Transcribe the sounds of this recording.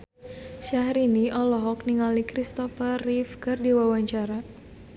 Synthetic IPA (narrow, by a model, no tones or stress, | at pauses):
ʃaɦɾiniʔɔlɔɦɔk̚niŋalikɾist̪ɔfərifkɨrdiwawaɲt͡ʃaɾa